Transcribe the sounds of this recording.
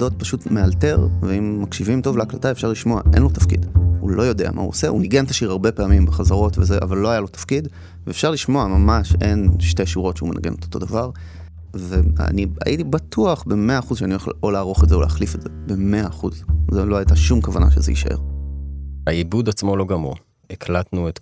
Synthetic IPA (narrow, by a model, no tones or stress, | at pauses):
do̞t̚paʃutmealte̞ʁveimːakʃivimto̞vleːklataefʃaʁliʃmo̞a̰ʔe̞̰nlotafkḭdhṵlo̞jo̞dea̰mʔa̰hṵoseʔuniɡentaʃiʁhaʁbe̞peamimbeχazaʁo̞tvezeʔa̰valːoajalo̞tḁfkid | veːfʃaʁliʃmo̞amamaʃe̞̰nʃte̞ʃiʁo̞tʃeumenʔa̰ɡe̞̰not̪o̥t̪o̞davaʁ | ve̞a̰nia̰jʔitibatʰuaχbe̞me̞aːχuzʃeanioḛoleaʁo̞χetzeolḛaχlifedz̥ebe̞meaːχuzzelo̞ajtaʃumkavana̰ʃezḛḭʃa̰ʔe̞̰ʁ | aibud̪at͡smo̞lo̞ɡamṵ | ekʰlat̪nuet